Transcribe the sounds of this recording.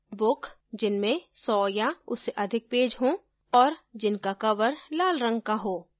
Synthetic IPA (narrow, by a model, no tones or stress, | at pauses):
bʊkʰ | d͡ʒɪnmẽsɔːjaʊsːeʔɐd̪ʱɪk̚peːd͡ʒɦõ | ɔːɾd͡ʒɪnkakɐʋəɾlaːlɾə̃ŋɡ̚kaɦoː